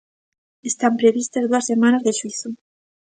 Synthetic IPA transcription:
est̪ampɾeβist̪ɐzðuɐsːemãnɐzðeʃwiθu

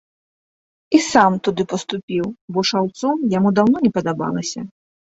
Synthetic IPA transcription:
isamt̪ud̪ɨpɐst̪upʲiwbɔʂawt̪sɔmjamud̪awnɔnʲɛpɐd̪aba̰lˠɐsʲɐ

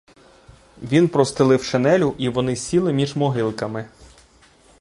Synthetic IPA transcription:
ʋʲinpɾɔst̪ɪlˠɪwʃenɛlʲʊʔiʋɔnɪsʲilˠɪmʲiʒmɔɦɪlˠkɐmɪ

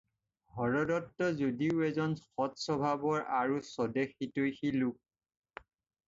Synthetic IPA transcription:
hɔɹɔdɔtːɔzodiʊɛzɔnxɔtsɔbʱabɔɹaɹusɔdexitojxiluk̚

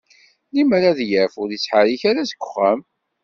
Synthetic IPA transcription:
liməɾaðjəfʊɾisːħaɾiçaɾasə̥ɡʷːʊ̥χːəm

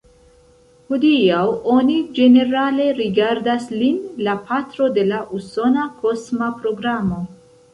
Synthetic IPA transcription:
hodiawo̞nid͡ʒe̞ne̞ɾale̞ɾiɡaɾdaslinlapʰatɾo̞de̞laʔuso̞nakʰo̞smapɾo̞ɡɾamo̞

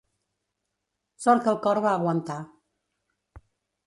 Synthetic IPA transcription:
sɔɾkəlˠkɔɾβaːɣwənt̪a

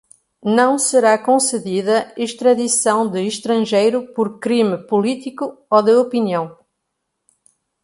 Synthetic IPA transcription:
nɐ̃w̃sɨɾakõsɨðiðɐiʃt̪ɾɐðisɐ̃w̃d̪ɨiʃt̪ɾɐ̃ʒejɾupɔɾkɾimɨpulˠit̪ikuoðɨopiniɐ̃w̃

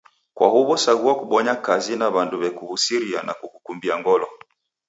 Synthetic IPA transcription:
kwa̰huβɔsaɣuakuɓɔɲakazinaβanduβɛkuhusiɾia̰na̰kukukumbiaŋɡɔlɔ

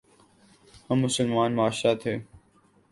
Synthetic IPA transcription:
həmːʊsəlmaːnmaːʃɾaːt̪ʰeː

